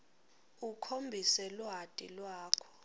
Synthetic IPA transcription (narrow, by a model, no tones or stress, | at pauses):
ukʰombʱisɛlwɦatʼilwaːkʰɔ̥